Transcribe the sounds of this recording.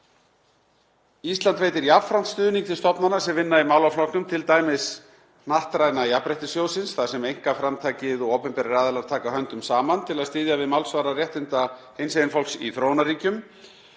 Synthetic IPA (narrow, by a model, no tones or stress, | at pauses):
ist̪lant̪veːjt̪ɪɾjavfɾan̥t̪st̪ʏːðniŋkt̪ʰɪlst̪ɔpnanasɛmvɪnːaimawlawflɔknʏmt̪ʰɪlt̪aːjmɪs | naht̪ɾajnajapɾejht̪ɪsjoːwsɪnsθaðsɛmejŋ̥kafɾamt̪ʰaːjcɪðɔɣowpɛmpɛɾɾaːðalaɾt̪ʰaːkaɦœnt̪ʏmsaːmant̪ʰɪlaðst̪ɪːðjavɪðmawlsvaːɾarjɛht̪ɪnt̪ahejnsejɪnfolksiθɾoːwnariːcʏm